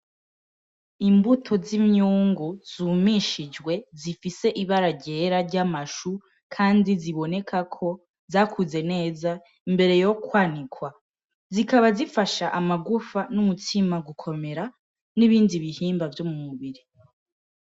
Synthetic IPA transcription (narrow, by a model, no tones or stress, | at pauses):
imbutʰo̞zimɲuːŋɡuz̥umiʃid͡ʒwe̞zifise̞ʔiβaɾaɟe̞ɾaɾɟamaʃu | kʰaːndiziβo̞ne̞kʰakʰo̞ | zaːkʰuze̞ne̞ːza | imbe̞ɾe̞jo̞kwaːnikwa | zikaβazifaʃaʔamaɡufanumutʰimaɡukʰo̞me̞ɾa | niβiːndiβihiːmbavjo̞mumuβiɾi